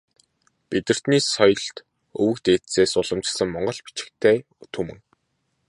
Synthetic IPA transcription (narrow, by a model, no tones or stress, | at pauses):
pit̪ɘ̆r̥t̪niːsɔjɞ̆ɮt̪ | ɵwɘ̆kt̪eːt̪seːsʊɮə̆mt͡ɕ̆sə̆ŋmɔɴɢɞ̆ɮpi̥t͡ɕɪ̥̆kt̪ʰeː | t̪ʰɵmɘ̆ŋ